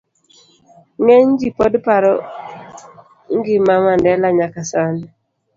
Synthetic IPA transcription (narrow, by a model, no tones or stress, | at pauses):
ŋɛɲd͡ʒipɔdpaɾɔ | ŋɡɪmamandɛlaɲakasan